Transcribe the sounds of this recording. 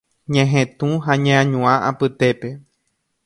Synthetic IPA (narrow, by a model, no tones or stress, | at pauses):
ɲẽɦẽt̪ũɦaɲẽãɲũãʔapɨt̪e̞pe̞